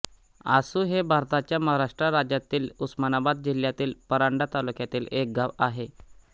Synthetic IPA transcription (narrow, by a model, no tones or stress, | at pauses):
asuːɦebʱaɾt̪at͡ɕjaməɦaɾaʂʈɾaɾad͡ʑjat̪iːlusmanabad̪̚d͡ʑiljat̪iːlpəɾaɳɖat̪alukjat̪iːlek̚ɡaʋaɦe